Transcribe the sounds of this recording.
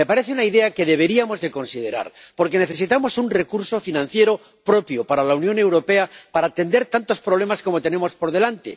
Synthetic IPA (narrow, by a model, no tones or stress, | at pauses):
me̞paɾe̞θeunaiðe̞ake̞ðe̞β̞e̞ɾiamo̞zðe̞ko̞nsið̞e̞ɾa̰ɾpo̞ɾke̞ne̞θe̞s̬it̪amo̞sunre̞kuɾso̞finãn̟θje̞ɾo̞ | pɾo̞pjopaɾalaunjone̞wɾo̞pe̞apaɾaːt̪e̞nd̪e̞ɾt̪ant̪o̞spɾo̞β̞le̞maskomot̪e̞ne̞mo̞spo̞ɾðe̞lant̪e̞̰